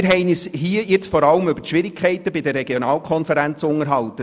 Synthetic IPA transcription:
ɾɦɛɪnishiəjɪt͡sfɔɾɑləmʏbətʃʋɪɾɪkʰɛɪt̪əbidərːɛɡjɔnɑːlkʰɔnfɛɾænt͡sʊŋəɾɦɑlt̪ə

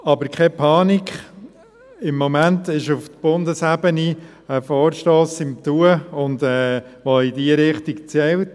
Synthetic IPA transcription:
ɑbəɾkʰɛpʰɑːnikχ | ɪmːɔmæntɪʃʊftb̥ʊndəsæbəni | əfɔːɾʃtoːsɪmt̪uəʊnd̪ɛːʋoɪdiəɾɪχtikt͡sɛlt

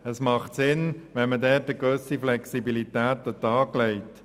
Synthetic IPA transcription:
əsmɑχt̪sɪnʋɛnmədɛːtdəɡøsiflɛksibilit̪æːtət̪ɑːɡlɛɪt

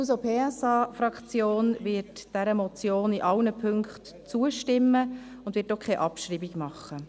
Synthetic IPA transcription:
usopʰeːɛsɑːfɾɑkt͡sjoːnvɪtd̥ɛɾəmɔt͡sjoːniʔɑlnəpʰʏŋkχt | t͡suəʃtɪmːə | ʊnd̥ʋɪːt̚dɔχkʰeʔɑpʃɾiːbiɡmɑχːə

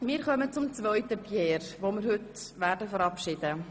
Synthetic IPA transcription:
mɪːɾχœmət͡sʊmt͡svœʏtəpjɛːɾʋoːmɪɾhʏtʋæːɾdəfəɾɑpʃɪd̥ə

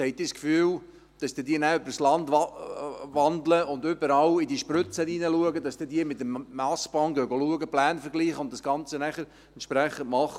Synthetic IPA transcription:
hɛɪt̚d̥iːskfyːl | d̥ɑsd̥iːdiːnæːʏbəɾslɑnd | ʋɑnd̪ləʊndʏbəɾɑwidiʃprʏt͡səniːnəluəɡəd̥ɑsd̥iːdiːmɪt̪əmːɑsb̥ɑŋɡœɡoluəɡəplæːnfəɾɡliːχəʊntd̥ɑsɡ̥ɑnt͡sənæχəɾ | ɛntʃpɾæχəntmɑχ

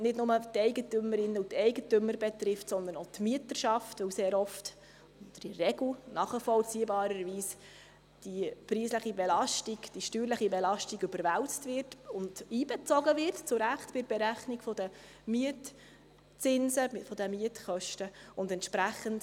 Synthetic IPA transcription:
nɪdnʊmətɛɪɡətʏmːəɾɪnːutɛɪɡətømːəɾbɛt̪rɪftsɔnd̪ənotmiətəɾʃɑftʋɵwseːɾɔft | dɾiɾɛɡl̩nɑːχifɔlt͡siːbɑːɾəɾʋiːs | d̥ipɾiːsləχibɛlɑʃtiɡd̥iʃtyːɾləχibɛlɑʃtiɡʏbəɾʋæwt͡stvɪrtʊnd̥iːbɛt͡sɔɡəvɪrtt͡sʊɾæχtb̥ɪɾb̥ɛɾæχnɪɡfɔdə | miət | t͡sɪnsəfɔdəmiətχœʃtəʊndɛntʃpɾæχənd

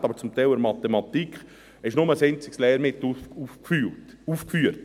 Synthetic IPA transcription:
tɑbəɾt͡sʊmt̪ɛɪləɾmɑt̪emɑt̪ikχ | ɪʃnʊməsent͡sɪkslɛːɾmɪt̪ːufylt | uːfkfyːəɾt

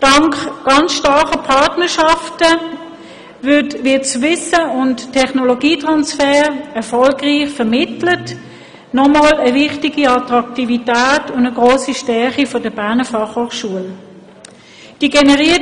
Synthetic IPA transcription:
d̥ɑŋkɡ̥ɑnt͡sʃtɑχəpʰɑtnəʃɑftə | vɪɐtviːt͡svɪsəʊnttʰːɛχnoloɡiːtʁɑnsfɛːʁɛɐfɔlɡʁiːχfɛmɪtlət | nɔmaːləvɪχtiɡiɑtʁɑktivitæːtʊndəɡʁoːsiʃtɛɐχifɔdəbæɐnəfɑχhoːχʃuəl | d̥iɡenɛʁiː

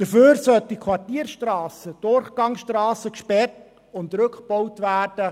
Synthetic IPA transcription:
d̥əføːɾsœltikʰwɑrtiːəɾʃtrɑːsəd̥ʊrχɡ̥ɑŋsʃtɾɑːsəkʃpɛrt | ʊntɾɵkχb̥ɔwtʋæːrd̥ə

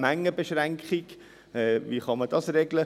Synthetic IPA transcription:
mæŋːəbeʃʁæŋkχiɡ | ɛviχɑməd̥ɑsrɛɡlə

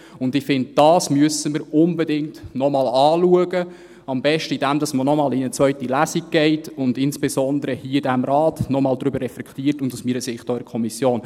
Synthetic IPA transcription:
ʊndɪfɪndd̥ɑːsmyəsəməɾʊnbɛdɪŋtnɔmɑlɑːluəɡə | ɑmbɛʃtəidæmdɑsmənɔmɑːlinət͡sʋœɥtilæsiɡ̚ɡ̥ɛɪtʊndɪnsb̥esɔnd̪əɾəhiədæmɾɑːtnɔmɑːldɾʏbərːɛflɛkʰtiːɾtʊndusmiːɾəsɪχtɔːɪkʰɔmisjoːn

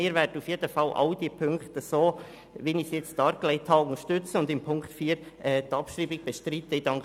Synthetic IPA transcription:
ɪːɾvɛːɾdəufjeːdəfɑlʔɑ̰ʊd̥iːpʰʏŋkt̪əsoː | ʋinɪçsjɛt͡st̚ɑːɾklɛɪt̪ʰhɑːʊŋəʃtʏt͡səʊnd̪ɪmpʰʊŋkt̪fiːɾʔɛːt̪ɑpʃɾiːbɪɡ̥̚b̥ɛʃtɾiːt̪ədɑŋk

